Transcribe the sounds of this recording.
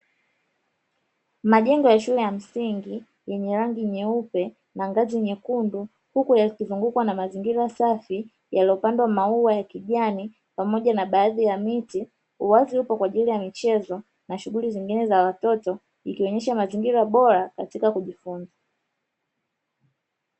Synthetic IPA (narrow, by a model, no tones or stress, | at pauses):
maʄɛŋɡɔjaʃulɛjam̩siŋɡi | jɛɲɛɾaŋɡiɲɛupɛ | naŋɡazijɛɲɛkundu | hukujakizuŋɡukwanamaziŋɡiɾasafi | jalɔpandwamauwajakiʄani | pamɔʄanaɓaːðijamiti | huwaziupɔkwaʄilijamit͡ʃɛzɔ | naʃuɡuliziŋɡinɛzawatɔtɔ | ikiɔɲɛʃamaziŋɡiɾaɓɔɾakatikakuʄifunza